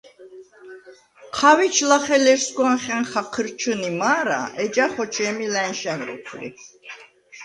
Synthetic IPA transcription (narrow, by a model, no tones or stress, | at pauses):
qʰawit͡ʃʰlaχɛlɛɾsɡɔnχɛnχaqʰəɾt͡ʃʰunimaːɾa̰ɛd͡ʒaχɔt͡ʃʰɛːmilɛnʃɛnɾṵkʰlḭ